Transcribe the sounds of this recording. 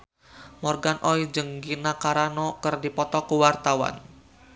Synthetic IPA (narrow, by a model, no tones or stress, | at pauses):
mɔrɡanʔɔid͡ʒəŋɡinakaɾanɔkərdipɔt̪ɔkəwart̪awa̰n